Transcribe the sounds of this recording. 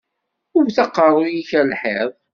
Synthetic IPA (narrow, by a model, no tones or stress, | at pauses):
ʊɾθɑqːərˤʊjiçælħeðˤ